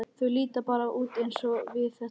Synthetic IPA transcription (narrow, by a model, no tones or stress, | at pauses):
t̪ʰvʏliːt̪apaːɾauːt̪ejnsɔvɪðθɛ